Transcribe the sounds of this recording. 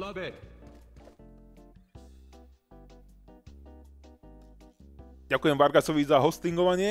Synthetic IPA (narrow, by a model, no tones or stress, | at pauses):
ɛ | ɟakujɛmʋaɾɡasɔʋizaɦɔst̪iŋɡɔʋaɲɪɛ